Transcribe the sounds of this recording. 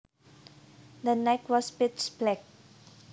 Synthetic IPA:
d̪ənaɪkwɔspɪtsblɛk̚

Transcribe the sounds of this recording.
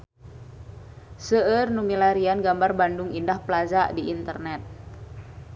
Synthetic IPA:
səərnumilaɾianɡambarbandʊŋindahplazaʔdiːnt̪ərnɛt̪̚

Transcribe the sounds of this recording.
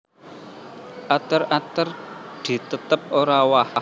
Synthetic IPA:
ʔat̪ərat̪ərd̪̥i̤t̪ət̪əp̚oɾawaha

